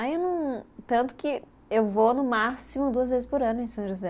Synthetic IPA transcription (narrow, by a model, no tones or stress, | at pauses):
aewnɐ̃w̃t̪ɐ̃nt̪ʊ̥kɪ | ewvonʊmasimʊd̪uɐzvezɪspoɾɐ̃nʊẽj̃sɐ̃w̃ʒozɛ